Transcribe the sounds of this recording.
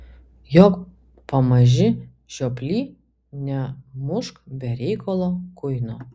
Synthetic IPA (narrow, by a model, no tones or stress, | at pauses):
joːk | pɐmɐʒʲɪ | ʒʲoːpʲlʲiː | nʲɛmʊʃkbʲɛɾʲɛɪkolˠoːkʊjnoː